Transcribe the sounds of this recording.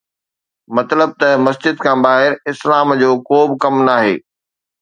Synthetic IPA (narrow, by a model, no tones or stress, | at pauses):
mɐt̪ləb̚t̪ɐmɐsd͡ʑɪd̪̚kʰãːbaːɦɪɾɪslaːmd͡ʑoːkoːbɪkɐmnaːɦḛː